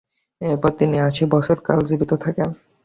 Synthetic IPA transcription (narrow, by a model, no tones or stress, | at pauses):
epot̪iniat͡ɕʰibɔt͡ɕʰoɾka̰ld͡ʑibit̪ot̪ʰaken